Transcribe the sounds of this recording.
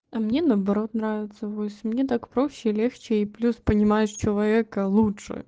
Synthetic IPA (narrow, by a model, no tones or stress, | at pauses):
ɐmnʲenəbɐɾo̞t̪nɾavʲɪt̪səvosʲmnʲet̪akpɾo̞ɕːɪlʲext͡ɕɪiplʲuspənʲɪmajɪʂt͡ɕɪlˠɐvʲe̞kəlˠutʂɨ̰